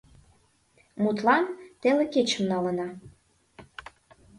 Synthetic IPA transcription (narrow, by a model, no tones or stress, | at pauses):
mut̪lɑnt̪eleket͡ɕə̆mnɑlə̆nɑ